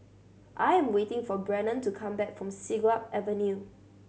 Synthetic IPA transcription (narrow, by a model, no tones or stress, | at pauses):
ʔajɛ̃mwetɪ̃ŋfɔbɹɛ̃nə̃ntukʰãmbɛkfɹɔ̃msiɡapʔɛvə̃nju